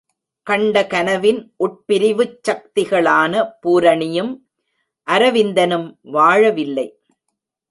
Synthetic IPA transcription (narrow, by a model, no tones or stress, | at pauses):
kɐɳɖɐkɐnɐʋɪnʔʊʈ̚pɪɾɪʋɯt͡ʃːɐk̚t̪ɪɣɐɭaːnɐpuːɾɐɳɪjɯm | ʔɐɾɐʋɪnd̪ɐnɯmʋaːɻɐʋɪlːɐɪ